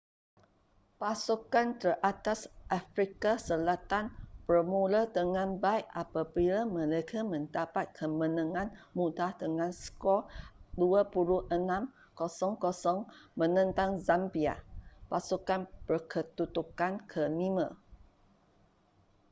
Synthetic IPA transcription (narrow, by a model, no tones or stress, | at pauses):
pasukant̪ərʔat̪asʔafɾikasəlat̪anpərmulat̪əŋãnbaiʔapabilamə̃lekʰamə̃ndapat̪̚kʰəmə̃nãŋãnmũdat̪əŋãnskɔduapuɾuʔənãm | kɔsɔŋkɔsɔŋmə̃nə̃nt̪aŋzampia̰pasukanbərkʰət̪ut̪ukankʰənimə̃